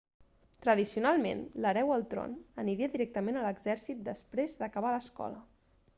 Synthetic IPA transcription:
t̪ɾəðisiunalˠmḛnləɾɛwəlˠt̪ɾo̰nəniɾiəðiɾɛk̚t̪əmenələɡzɛɾsit̪̚d̪əspɾezðəkəβ̞aləskɔ̰lə

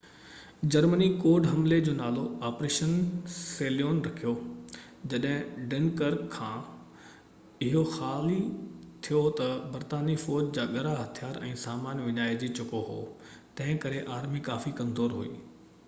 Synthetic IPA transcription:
d͡ʑɐɾmənikoːɾɖɦɐmled͡ʑoːnaːloaːpɾeːʃənseːlijoːnɾɐkʰijo | d͡ʑɐɗɦɪ̃ɖeːnkəɾkʰːãː | ɪɦoxaːlit̪ʰijot̪ɐbɐɾt̪aːnifɔːɾd͡ʑd͡ʑaːɠɐɾaɦɐt̪ʰijaːɾɛ̰̃ːsaːmaːnʋɪɲaːed͡ʑit͡ɕʊkoɦo̰ː | t̪ɐ̃ɦɪ̃kɐɾeʔaːɾmikaːfikɐ̃mzoːɾɦṵḭː

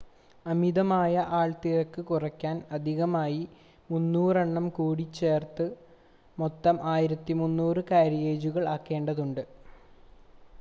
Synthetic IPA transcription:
ɐmiðɐmaːjɐʔaːɭt̪iɾɐkːɨkurɐkʲːaːnɐd̪ʱiɣɐmaːji | munːuːrɐɳːɐmkuːɽit͡ɕːe̞ːrt̪ɨ | mot̪ːɐmʔaːjiɾɐt̪ːimunːuːrɨkaːɾijeːd͡ʑuɣɐɭaːkːe̞ːɳɖɐðuɳɖɨ

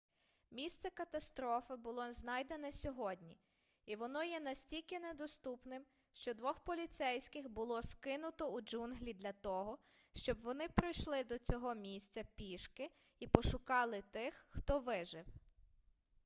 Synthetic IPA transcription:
mʲist̪sɛkɐt̪ɐst̪ɾɔfɪbʊlˠɔznɑjd̪enɛsʲɔɦɔdʲnʲi | iʋɔnɔjɛnɐsʲtʲilʲkɪnɛd̪ɔst̪upnɪm | ʃt͡ʃɔd̪ʋɔxpɔlʲit̪sɛjsʲkɪxbʊlˠɔskɪnʊt̪ɔud͡ʒunɦlʲid̪lʲɐt̪ɔɦɔ | ʃt͡ʃɔbʋɔnɪpɾɔjʃlˠɪd̪ɔt͡sʲɔɦɔmʲisʲt͡sʲɐpʲiʃkɪ | ipɔʃʊkɑlˠɪt̪ɪxːt̪ɔʋɪʒɪw

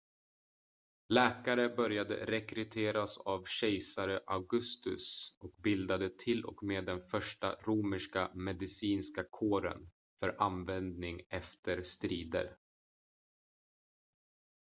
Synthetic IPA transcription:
lɛːkaɾəbœɾjad̪ə̰ɾɛkɾɵt̪ʰeːɾasavɕɛjsaɾəʔaɡɵst̪ɵ̰sɔkbɪld̪ad̪ət̪ʰɪlɔ̰kmeːd̪ːɛnfœʂʈa̰ɾuːmɪʂkamɛd̪ɪsiːnskakʰoːɾə̰n | fœɾʔanvɛnd̪nɪŋɛft̪ʰəɾst̪ɾiːd̪ə̰ɾ

